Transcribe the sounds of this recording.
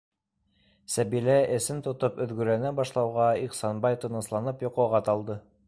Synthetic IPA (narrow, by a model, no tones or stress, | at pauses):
sæbilæʔɘ̆sɘnt̪ŏt̪ɤpɵ̆ðɡɵ̆ɾænæbɑʃlˠɑwʁɑiqsɑnbɑjt̪ɤ̆nɤ̆slˠɑnɤpjŏqɑwʁɑt̪ɑlˠd̪ɤ